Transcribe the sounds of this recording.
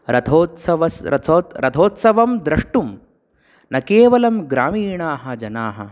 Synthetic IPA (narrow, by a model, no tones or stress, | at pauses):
ɾɐt̪ʰoːt̪sɐʋɐsɾɐ̰t̪ʰoːt̪ɾʔɐt̪ʰoːt̪sɐʋɐmd̪ɾɐʂʈum | nɐkeːʋɐlɐmɡɾaːmiːɳaːɦɐd͡ʒɐnaːɦɐ̰